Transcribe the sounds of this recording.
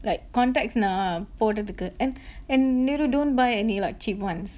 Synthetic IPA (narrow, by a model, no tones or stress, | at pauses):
lajkːɔ̃ntɛk̚snapɔtət̪əkəʔɛ̃nɛ̃nːiɾudõnbajɛnilaɪk̚t͡ʃipwãns